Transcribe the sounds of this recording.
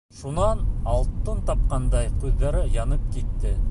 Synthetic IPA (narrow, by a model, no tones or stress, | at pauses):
ʃunɑnɑlˠt̪ːɤnt̪ɑp̚qɑnd̪ɑjqʉðːɑɾɤjɑnɤp̚kit̪ːɘ